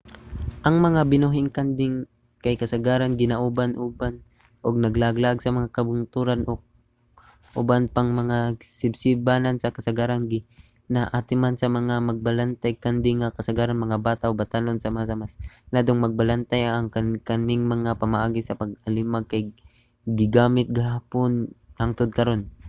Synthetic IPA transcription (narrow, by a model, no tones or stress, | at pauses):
ʔɐŋmɐŋabɪnuɦɪŋkand̪ɪŋ | kajkɐsaɡaːɾanɡɪnaʔubanʔuːban | ʔoɡ̚nɐɡlaɡlaʔɡsɐmɐŋakɐbʊnt̪uːɾanʔo | ʔʊ̰banpaŋmɐŋasɪbsɪbanansɐkɐsaɡaːɾanɡɪ | naʔaːt̪ɪmansɐmɐŋamɐɡ̚balant̪ajkand̪ɪŋakɐsaɡaːɾanmɐŋabaːt̪aʔobat̪anonsɐmasamaslaːd̪oŋmɐɡ̚balant̪ajaŋkakanɪŋmɐŋapɐmaʔaːɡɪsɐpɐɡɐlɪmaɡ̚kaj | ɡɪɡaːmɪt̪̚ɡaɦaːponhaŋt̪od̪̚kɐɾo̞n